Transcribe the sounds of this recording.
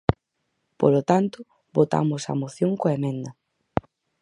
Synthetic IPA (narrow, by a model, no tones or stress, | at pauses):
polot̪ant̪ʊ | βot̪a̰mosa̰moθjoŋkoemẽnd̪ɐ